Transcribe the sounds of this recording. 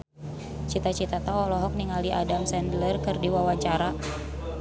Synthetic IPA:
t͡ʃit̪at͡ʃit̪at̪aɔlɔɦɔk̚niŋaliʔadamsɛndlərkɨrdiwawaɲt͡ʃaɾa

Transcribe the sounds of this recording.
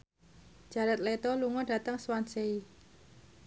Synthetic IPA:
ʒ̥ä̤ɾət̪̚let̪ɔluŋɔd̥ä̤t̪əŋswansei

